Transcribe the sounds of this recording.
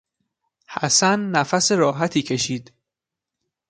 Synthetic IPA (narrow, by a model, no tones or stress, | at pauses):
hæ̰sænːæfæseɾɒːɦæt̪ʰiːcʰe̞ʃiːd̪̥